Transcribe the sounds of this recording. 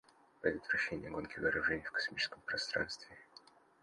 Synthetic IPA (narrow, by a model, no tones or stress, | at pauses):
pɾʲɪd̪ʲət̪vɾɐɕːenʲɪjəɡo̞nkʲɪvəɐɾʊʐɛnʲɪjəfkɐ̥smʲit͡ɕɪ̥skəmpɾɐst̪ɾa̰nst̪vʲɪ